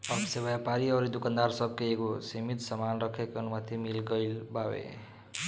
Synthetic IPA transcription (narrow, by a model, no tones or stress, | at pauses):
ʌbsebʌjapaɾiʌɾid̪ukand̪aɾsʌb̚keekosimit̪sʌmanrʌkʰekʌnumat̪ʰimilɡʌjlbawḛ